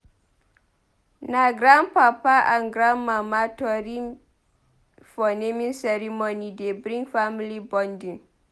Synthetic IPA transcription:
naɡɾanpapaʔanɡɾanmamatɔɾin | fɔnemĩnsɛɾimonidebɾĩŋɡfamilibɔndĩn

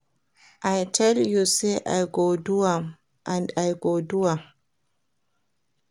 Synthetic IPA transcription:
ʔajtʰɛljuseʔa̰jɡoduwa | ʔandajɡoːduwa

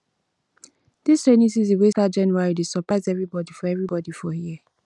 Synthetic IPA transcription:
d̥istenisizewestad͡ʒɛ̃nuaɹidesəpɹaɪzɛvɹibɔdifɔɛvɹibɔdifɔhiɛ

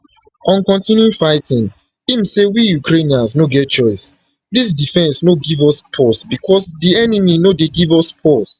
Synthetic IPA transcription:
ɔ̃nkɔ̃ntĩnjuĩfaɪtĩŋ | imsewijukɾeniãns̬noɡɛt̚t͡ʃɔɪs | dis̬difɛ̃nsnoɡivɔspʰɔsbikʰɔsdiɛniminodeɡivɔspʰɔs

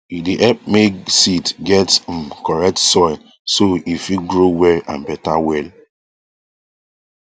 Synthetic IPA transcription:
idiʔɛp̚meksitɡɛtsɔ̃mkɔɹɛk̚tsɔɪl | soifiɡɹowɛlã̰nbɛtawɛl

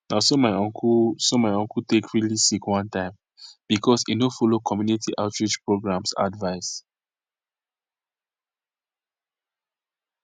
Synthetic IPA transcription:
naʊsomaɪɔ̃ŋkʰusomaɪɔ̃ŋkutekʰɹilisikwãntãɪ̃m | b̥ikʰɔsinofɔlokʰɔmjunitʰiʔaʊtɹid͡ʒpɹoɡɹãmsa̰dvaɪs

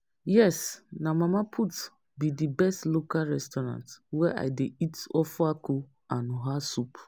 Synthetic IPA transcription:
jɛsnamamapʰut | bidibɛstlokalɹɛstɔɾã̰ntwɛʔa̰ɪdeitɔfako | anɔɦasup

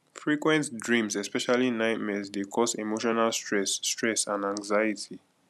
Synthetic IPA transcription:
fɹikwɛ̃ntdɹĩmsɛspɛʃalinaɪtmɛsdekʰɔsimoʃɔnalstʰɹɛsːtɹɛsãnãŋɡzajitʰi

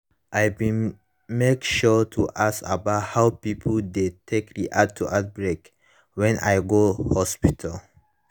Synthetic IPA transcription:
ʔajbĩ | mekʃɔtʰuʔasa̰bathawpipʰəldetʰekɹiʔatʰːuʔat̚bɹek | wɛ̃na̰jɡohɔspitʰal

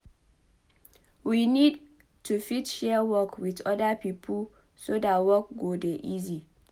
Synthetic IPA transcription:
winid | tʰufitʃɛwɔkwiðɔdapipʰu | sodawɔkɡodeʔizi

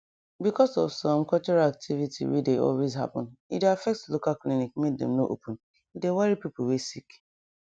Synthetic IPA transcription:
bikɔsɔ̰vsɔ̃mkɔlt͡ʃɔɹalak̚tʰivitʰḭwḭdeʔɔ̰lwezɦa̰pɔ̰̃nḭdafɛk̚tslokalklinik̚mek̚dɛ̰̃mnoʔo̰pʰʊ̃n̩ | idewaɹipiplwesik

